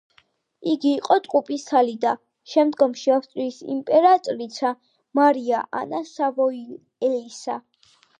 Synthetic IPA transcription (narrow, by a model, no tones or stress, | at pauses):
iɡiːqʼɔt̪ʼqʼupʼist̪ʰalid̪a | ʃɛmd̪ɡɔmʃiafst̪ʼɾiːsḭmpʼɛɾat̪ʼɾit̪sʰa | maɾiaʔa̰nasavɔi | ɛlisa